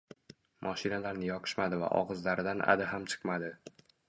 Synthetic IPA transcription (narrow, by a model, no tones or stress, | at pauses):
mʔɒʃɪnalaɾnɪjɒqʰɨ̥ʃmad̪ɪva̰ʔɒ̰ʁɨzlaɾɪd̪anʔa̰d̪ɪɦamt͡ʃʰɨ̥qmad̪ɪ